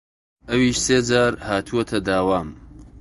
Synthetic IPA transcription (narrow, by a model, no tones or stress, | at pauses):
ʔɐwiːʃseːd͡ʒaːɾhaːt̪ʰuɐt̪ʰɐd̪aːwaːm